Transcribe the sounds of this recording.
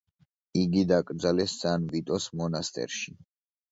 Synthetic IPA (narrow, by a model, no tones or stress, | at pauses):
iɡid̪akʼɾd̪zalɛsdz̥anvit̪ʼɔsmɔnast̪ʼɛ̰ɾʃi